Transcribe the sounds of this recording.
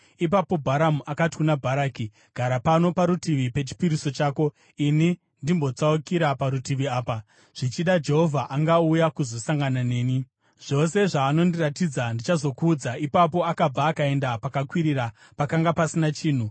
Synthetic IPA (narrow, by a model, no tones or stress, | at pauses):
ipapo̞bʱaɾamuʔakati̥kunabʱaɾaːki | ɡ̥ʱaɾapano̞paɾutiʋipe̞t͡ʃi̥piɾiso̞t͡ʃaːko̞ | ini | ndimbo̞t͡saukiɾapaɾutiʋiaːpa | ʐ̥it͡ʃiɗad͡ʒe̞ɦo̞vʱaʔaŋɡaujakuzo̞saŋɡanane̞ːni | ʐ̥o̞se̞ʐaːno̞ndiratid͡zandit͡ʃazo̞kuːd͡zaipapo̞akab͡vaːkae̞ndapakakwiɾiɾa | pakaŋɡapasinat͡ʃiːn̤u